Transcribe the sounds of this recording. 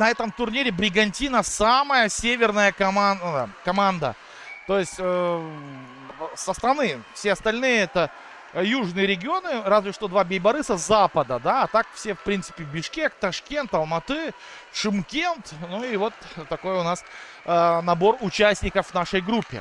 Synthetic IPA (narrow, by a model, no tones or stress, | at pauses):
nɐɛt̪əmt̪ʊrnʲiɾʲɪbɾʲɪɡɐnʲtʲinəsaməjəsʲevʲɪrnəjəkɐmankɐmand̪ə̰ | t̪o̞jɪsʲtʲə | səst̪ɾɐnɨfsʲeɐst̪ɐlʲnɨjəɛt̪ə | juʐnɨjəɾʲɪɡʲɪo̞nɨɾazvʲɪʂt̪o̞d̪vabʲɪjbɐɾɨsəzapəd̪əd̪aːt̪akfsʲefpɾʲint̪sɨ̥pʲɪbʲɪʂkʲe̞k̚t̪ɐʂkʲe̞nt̪ɐlˠmɐt̪ɨ | ʂɨmkʲe̞nt̪nuivo̞t̪ːɐko̞jʊnas | nɐbo̞rʊt͡ɕæsʲnʲɪkəfnaʂəjɡɾupʲːɪ̰